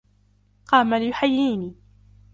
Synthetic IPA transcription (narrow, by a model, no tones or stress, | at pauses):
qɑːmaljʊħajːiːniː